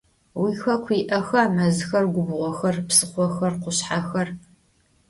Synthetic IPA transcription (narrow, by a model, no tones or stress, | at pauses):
wiːxɐkʷʰiːʔɐxɐmɐzɨxɐrɡʷʊbʁʷɔxɐrpsɨχʷɔxɐrqʷʊɕħaːxɐr